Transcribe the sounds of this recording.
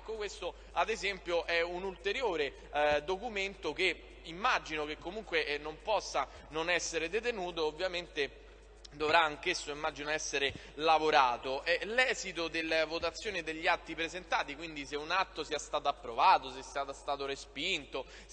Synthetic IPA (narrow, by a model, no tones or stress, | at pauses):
ɛkːokwest̪o | ad̪ezɛmpjoʔɛunult̪eɾjoːɾe | d̪okument̪ok̟e | imːad͡ʒinok̟ekːomuŋkwenompɔsːa | nonɛsːeɾed̪et̪enuːt̪̬oːvːjament̪e | d̪ovɾaːŋk̟esːoimːad͡ʒinoɛsːeɾe | lavoɾaːt̪oʔɛlɛːzit̪od̪elːvot̪at̪sːjoːnid̪eʎːiat̪ːipɾezent̪aːt̪ikwind̪iseunat̪ːosiɛast̪aːt̪oapːɾovaːt̪osest̪aːt̪st̪aːt̪oɾespint̪o